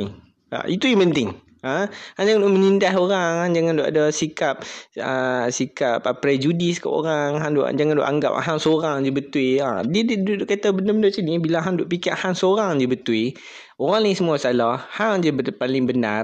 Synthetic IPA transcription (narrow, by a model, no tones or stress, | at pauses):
i | a̰it̪ujampənt̪ɪŋ | ahand͡ʒaŋandɔʔmə̃ɲindaɦoɾaŋhaŋd͡ʒaŋandɔʔadasikap̚əsikap̚pːɾɛd͡ʒudisi̥ka̰po̰ɾaŋɦandɔ̰ʔd͡ʒaŋandɔ̰ʔa̰ŋɡa̰p̚ɦaŋsoɾaŋd͡ʒəbət̪uia̰diddudʔkat̪abənəbənəsinibilaɦandɔʔpikiaʔhaŋsoɾaŋd͡ʒəbət̪wi | oɾaŋlisəmuasalɔhhaŋd͡ʒəbəpalɪŋbənar